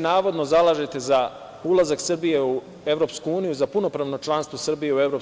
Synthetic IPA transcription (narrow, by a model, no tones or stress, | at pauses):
naːʋo̞d̪no̞zalˠaːʒet̪e̞za | ulˠazaksr̩bije̞u | e̞vɾo̞pskuuːnijuzapuno̞pɾaʋno̞t͡ʃlˠanst̪ʋosrbije̞uevɾo̞